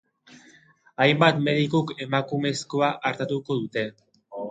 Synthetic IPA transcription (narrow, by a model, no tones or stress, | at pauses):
ajmbat̪me̞ðikuke̞makume̞sko̞aʔaɾt̪at̪uko̞ðut̪e̞